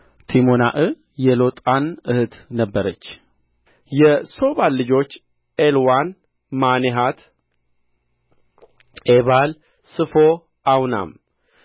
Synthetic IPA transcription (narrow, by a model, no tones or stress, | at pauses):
t̪ʰimonaʔɨ | jɛlo̞t̪ʼanɨhɨt̪nəbːəɾət͡ʃː | jɛso̞βalːɨd͡ʒo̞t͡ʃː | elwan | maneɦat̪ | eβal | sɨfo | awna̰m